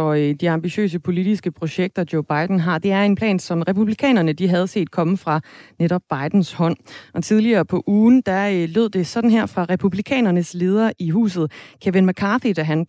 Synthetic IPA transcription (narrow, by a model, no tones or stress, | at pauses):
ɒ̽d̥iɑ̈mb̥iɕø̰ːs̬əpʰo̝lid̥isɡ̥əpʰʁo̝ɕeɡ̥̚d̥ɐd̥joʊb̥ɑ̈ɪd̥n̩ɦɑ̈d̥e̝æɐe̝npʰlɛ̰ːnsɒ̽mʁɛpʰub̥likʰɛ̰ːnɐnəd̥iɦæð̞ˠse̝̰ːd̥̚kʰɒ̽məfʁɑ̈neɾɒ̽b̥ːɑ̈ɪd̥n̩shɒ̽n̰ʔɒ̽t͡sʰið̞ˠliɐːpʰɒ̽ʔuːnd̥æløð̞̰ˠd̥e̝sɒ̽d̥n̩ɦeɐ̰fʁɑ̈ʁɛpʰub̥likʰɛ̰ːnɐnəsle̝ːð̞ˠɐʔiɦṵːs̬ð̞̩ˠkʰæʋenmækʰɑ̈ːfed̥æɦæn